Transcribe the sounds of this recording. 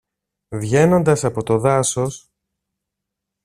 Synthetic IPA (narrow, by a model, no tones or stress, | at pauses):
vʝe̞no̞nd̪ɐsɐpo̞t̪o̞ðɐso̞s